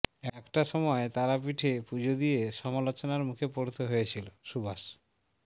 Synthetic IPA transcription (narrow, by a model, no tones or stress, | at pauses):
ɛkʈaʃɔmɔet̪aɾapiʈʰepud͡ʑʱod̪ieʃɔmalot͡ɕonaɾmukʰepoɾt̪oɦojet͡ɕʰiloʃubaʃ